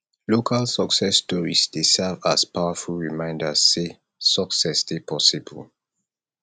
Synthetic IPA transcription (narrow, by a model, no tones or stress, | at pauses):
lokʰalsəksɛsːtɔɹḭsd̥esɛvaspawəfulɹimãɪ̃ndəsːe | səksɛsdepʰɔsibə̰l